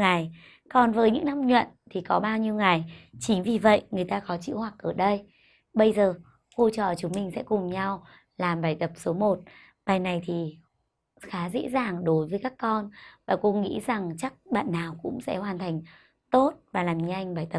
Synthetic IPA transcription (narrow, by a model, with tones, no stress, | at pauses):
ŋa˨˩j | kɔ˨˧˩nvəː˨˦jɲɨ̰˧˥ŋna˧˥mɲwə̰˧˨nt̪ʰi˨˩kɔ˨˦ɓaː˧wɲi˧wŋa˨˩jt͡ɕï˨˦ŋvi˨˩və̰˧˨jʔŋɨ˨˩əjt̪aː˧kɔ˨˦t͡ɕḭ˧˨whwa˨˩k̚ʔəː˧˩ɗə˧j | ɓə˧jzəː˨˩ | ko˧t͡ɕə̰ː˧˨˩t͡ɕʊ˨˦ŋ͡mmï˨˧˩ŋ̟sɛ̰˧˥kʊ˨˩ŋ͡mɲa˧w | laː˨˩mɓaː˨˩jt̪ə˨˩p̚so˨˦mo˨˩t̚ | ɓaː˨˩jna˨˩jt̪ʰi˨˩ | xaː˨˦zḛ˧˥zaː˨˩ŋɗo˨˦jvəː˨˦jkaː˦˥kːɔ˧nvaː˨˩ko˧ŋḭ˧˥za˨˩ŋt͡ɕa˦˥k̚ɓa̰ː˧˨nːaː˨˩wkʊ̰˧˥ŋ͡msɛ̰˧˥hwaː˨˩nt̪ʰa˨˩jŋ̟ | t̪o˦˥t̚vaː˨˩laː˨˩mɲɨ˧ʔjŋ̟ɓaː˨˩jt̪ə˨˩